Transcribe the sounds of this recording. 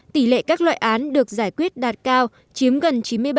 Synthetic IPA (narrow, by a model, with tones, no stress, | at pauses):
t̪i˧˩lḛ˧˨kaː˦˥k̚lwa̰ː˧˨jʔaː˨˦nɗɨ˨˩ək̚zaː˧˩jkwi˦˥ət̚ɗaː˨˩t̚kaː˧w | t͡ɕi˨˦əmɣə˨˩nt͡ɕi˨˦nmɨ˧əjɓ